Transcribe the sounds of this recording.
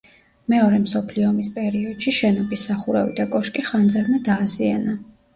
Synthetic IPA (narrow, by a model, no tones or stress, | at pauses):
mɛɔɾɛmsɔpʰliɔmispʼɛɾiɔd̪̥ʃiʃɛnɔbisːaχuɾɛvḭd̪akʼɔʃkʼiχand̪zaɾmɛd̪aːziana